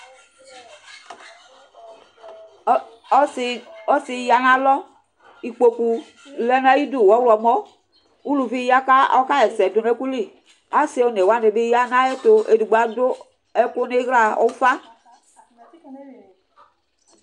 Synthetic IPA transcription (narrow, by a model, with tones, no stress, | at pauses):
ɔ˦si˧ja˨nã˦lɔ˦ | i˨k͡po˨ku˨ | lɛ˦na˦ji˦du˦˨wɔ˨˦wlɔ˨mɔ˦ | u˦lu˨vi˦ja˦ka˦ɔ˦ka˦ɛ˨sɛ˨do˨ne˦ku˦li˦˨ | a˦se˦o˦ne˨wa˦ne˨be˦ja˦nã˦e˦t̪o˧e˨du˨ɡ͡ba˨do˦ | ɛ˦ko˦ne˦ɣɾa˨o̰˦fa˦